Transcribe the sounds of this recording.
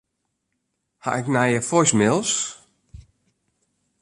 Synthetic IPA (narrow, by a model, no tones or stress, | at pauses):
ha̰ʔɪknajəfɔjsmɪlˠs